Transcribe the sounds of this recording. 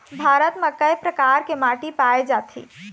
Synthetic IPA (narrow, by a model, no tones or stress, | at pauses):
bʱaɾət̪mekəjpɾəkaɾkemaʈipaed͡ʒat̪ʰḭ